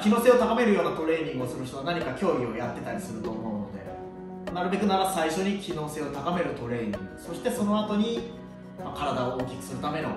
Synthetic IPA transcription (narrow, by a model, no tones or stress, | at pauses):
kʲino̞ːse̞o̞t̪akame̞ɾɯ̟jo̞ːnat̪o̞ɾe̞ːɲʲĩŋɡɯo̞sɨɾɯ̟çi̥t̪o̞βanaɲ̟ikakʲo̞ːio̞jat̪ːe̞t̪aɾʲisɨɾɯ̟t̪o̞ːmo̞no̞d̪e̞̰ | naɾɯ̟be̞kɯ̟naɾasaiɕo̞ɲ̟ikʲino̞ːse̞ot̪akame̞ɾɯ̟t̪o̞ɾe̞ːɲ̟ʲḭ̃ŋɡɯ̟so̞ɕi̥t̪e̞so̞no̞at̪o̞ɲ̟i | makaɾad̪aooːkʲikɯ̟̥sɨɾɯ̟t̪ame̞no̞̰